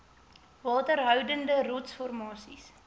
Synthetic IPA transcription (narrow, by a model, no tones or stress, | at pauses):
vɑːtərɦœwdəndərɔtsfɔrmɑːsis